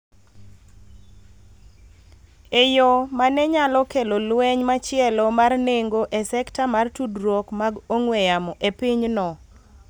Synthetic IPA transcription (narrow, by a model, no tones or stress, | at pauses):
ejomanɛɲalɔkelolwɛɲmat͡ʃɪɛlɔmarneŋɡoʔesɛktamartudɾwɔkmaɡoŋwejamɔʔepiɲnɔ